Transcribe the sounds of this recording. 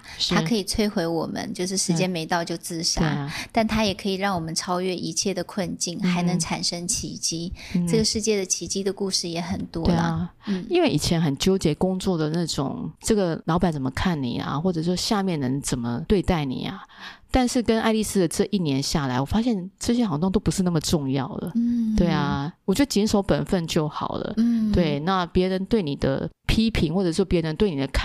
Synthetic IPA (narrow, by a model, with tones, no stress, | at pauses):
ʂʰa˥kʰɤ˧˥i˨˩t͡sʰwe˥ɪxwe˧˥ɪwɔ˨˩mə̰˦nt͡ɕjo˥˧ʊʂ̬ɻ̩˥˩ʂɻ̩˧˥t͡ɕjɛ˥nme˧ɪt̪ɑ˥˧ʊt͡ɕjo˥˧ʊt͡sɹ̩˥˩ɕjaḛ˨˩˥t̪a˥˩nt̪ʰa˥jɛ˨˩kʰɤ˧˥i˨˩ɻɑ˥˩ŋwɔ˨˩mə˦nʈ͡ʂʰɑ˥ʊɥɛ˥˧ʔi˧˥t͡ɕʰjɛ˥˩d̪ə˩kʰwə˥˧nt͡ɕi˥˩nxa˧˥ɪnə˧˥ŋʈ͡ʂʰa˨˩nʂə˥ŋt͡ɕʰi˧˥t͡ɕi˥ʈ͡ʂɤ˥˩ɡə˩ʂɻ̩˥˧t͡ɕjɛ˥˩d̪ə˩t͡ɕʰi˧˥t͡ɕi˥d̪ə˨ku˥˧ʂɻ̩˥˩jɛ˧˥xə˨˩nt̪wɔ˥e˥lə̰˨˩ | n̩˥˩i˥nwe˥˩ɪi˨˩t͡ɕʰjɛ˧˥nxə˨˩nt͡ɕjo˥ʊt͡ɕjɛ˧˥˩kʊ˥ŋt͡swɔ˥˩d̪ə˩na˥˩ʈ͡ʂʊ̰˨˩ŋʈ͡ʂɤ˥˩ɡə˩lɑ˧˥ʊpa˨˩nt͡sə˨˩mə˦kʰa˥˩nnḭ˨˩a̰˨˩xwɔ˥˩ʈ͡ʂɤ˨˩ʂwɔ˥˧ɕja˥˧mjɛ˥˩nə˧˥ŋt͡sə˨˩nmə˦t̪we˥˧ɪt̪a˥˩ɪnḭ˨˩a̰˦t̪a˥˧nʂɻ̩˥˩kə˥na˥˧ɪli˥˧s̩˥d̪ə˨ʈ͡ʂɤ˥˧ʔi˥˩njɛ˧˥nɕja˥˩la˧˥ɪwɔ˨˩fa˥ɕjɛ˥˧nʈ͡ʂɤ˥˩ɕ̬jɛ˥xɑ˨˩ŋt̪wŋt̪o˥ʊpu˧˥ʂɻ̩˥˧na˥˩mə˩ʈ͡ʂʊ˥˧ŋjɑ˥˩ʊd̪ə̰˩t̪we˥˩ɪa˩wɔ˨˩t͡ɕɥɛ˧˥ə˧˩t͡ɕi˧˥nʂo˧˥ʊpə˨˩nfə˥˧nt͡ɕjo˥˩ʊxɑ̰˨˩ʊlə̰˦t̪we˥˩ɪna˥˧pjɛ˧˥ɻə˧˦nt̪we˥˩ɪni˨˩d̪ə̰˦pʰi˥pʰi˧˥ŋxwɔ˥˩ʈ͡ʂɤ˨˩ʂɔ˥˩pjɻə˧˦nt̪we˥˩ɪni˨˩d̪ə˦kʰa˥